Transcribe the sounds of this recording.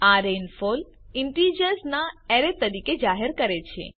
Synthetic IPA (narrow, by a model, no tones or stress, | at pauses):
aɾenfol | ɪɳʈid͡ʒəɾsnaeɾet̪ːəɾiked͡ʒaɦeɾkəɾet͡ʃʰḛ